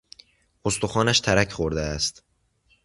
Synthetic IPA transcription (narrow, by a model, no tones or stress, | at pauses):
ost̪oxɒːnæʃt̪ʰæɾæcʰxoɾd̪eæst̪